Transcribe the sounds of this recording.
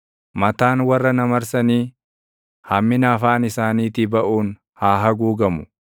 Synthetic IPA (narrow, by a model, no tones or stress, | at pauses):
mɐt̪aːnwɐrːɐnɐmɐɾsɐniː | hɐmːɪnaːfaːnɪsaːniːt̪ɪbɐʔuːn | haːɦɐɡuːɡɐmʊ̥